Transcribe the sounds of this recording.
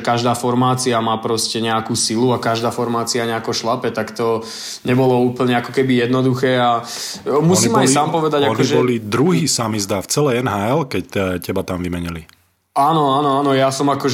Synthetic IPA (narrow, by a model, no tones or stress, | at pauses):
kaʒd̪aːfɔɾmaːt͡siamaːpɾɔscɛɲɛakuːsiluakaʒd̪aːfɔɾmaːt͡siaɲɛakɔʃlapɛt̪akt̪ɔ | ɲɛbɔlɔuːpl̩ɲɛakɔkɛbijɛd̪nɔd̪uxɛːa | musiːmajsaːmpɔʋɛd̪aɟaknɔʒɛbɔlid̪ɾuɦiːsamizd̪aft͡sɛlɛɛnɦaɛlkɛcɛcɛbat̪amʋimɛɲili | aːnɔanɔaːnɔjasɔmakɔ